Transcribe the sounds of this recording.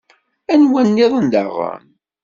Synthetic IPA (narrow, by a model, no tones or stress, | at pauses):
ænwænːiðˤənd̪a̰ʁə̰m